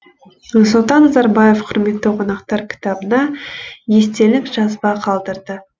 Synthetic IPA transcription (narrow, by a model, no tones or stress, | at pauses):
sʊlˠt̪ɑnːɑzɑɾbɑje̞fqʰʊɾme̞t̪ːɪqʰo̞nɑqt̪ɑɾkʲʰɪ̥t̪ɑbənɑje̞st̪e̞lɪkʒɑzbɑqʰɑlˠd̪əɾd̪ə